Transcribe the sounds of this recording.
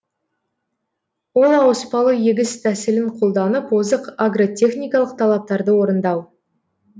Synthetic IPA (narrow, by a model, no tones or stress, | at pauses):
wo̞lˠɑwəspɑlˠəje̞ɡʲɪst̪ʰæsɪlɪɴqʰolˠd̪ɑnəpwozəqaɡro̞t̪ʲʰe̞χnʲijkɑlˠəq̚t̪ʰɑlˠɑp̚t̪ɑɾd̪əwo̞ɾənd̪ɑw